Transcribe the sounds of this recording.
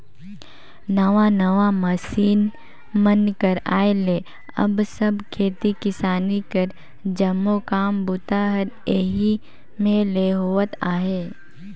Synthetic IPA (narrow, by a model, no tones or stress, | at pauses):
nɐʋanɐʋamɐsiːn | mənkəɾa̰ːeleː | ɐ̰bsɐbkʰeːt̪ikɪsaːnikəɾ | d͡ʒɐmːokaːmbʊt̪aɦəɾeːɦi | mẽleːɦoːət̪aːɦeː